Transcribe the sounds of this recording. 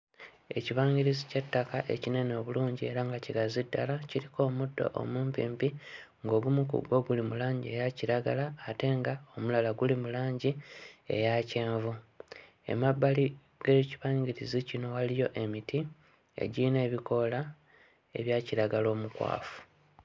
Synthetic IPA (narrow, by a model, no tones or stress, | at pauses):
e̞̰ciβaːɲɟiɾizicetːakaʔe̞̰cine̞noːβuluːɲɟie̞ɾaŋɡaciɡazidːalaciɾikʰo̞ːmudːo̞̰ʔo̰muːmpiːmpi | ŋɡo̞ːɡumukṵɡo̞ɡulimulaːɲɟie̞jaciɾaɡalaːte̞ŋɡao̞mulalaɡulimulaːɲɟie̞̰jace̞ːɱvu | e̞̰mabːali | ɡ̥eciβaːɲɟiɾizicino̞walijo̞ʔe̞mitʰi | e̞̰ɟine̞ːβiko̞la | e̞̰βjaːciɾaɡalo̞ːmukwa̰ːfu̥